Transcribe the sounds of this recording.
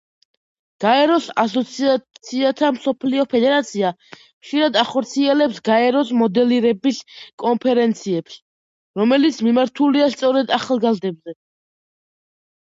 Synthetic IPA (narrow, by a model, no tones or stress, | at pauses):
ɡ̥aɛɾɔsasɔt̪sʰiat̪sʰiat̪ʰamsɔpʰliɔpʰɛd̪ɛɾat̪sʰia | χʃiɾad̪aχɔɾt̪sʰiɛlɛpsɡaɛɾɔsmɔd̪ɛliɾɛbiskʼɔnpʰɛɾɛnt̪sʰiɛps | ɾɔmɛlit̪sʰmimaɾt̪ʰuliast̪sʼɔɾɛd̪aχalˠɡazd̪ɛbzɛ